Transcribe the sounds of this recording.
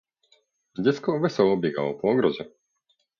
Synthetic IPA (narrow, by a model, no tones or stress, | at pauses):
ɟɛt͡skɔʋɛsɔʊɔbiɡa̰lɔpɔɔɡɾɔzɛ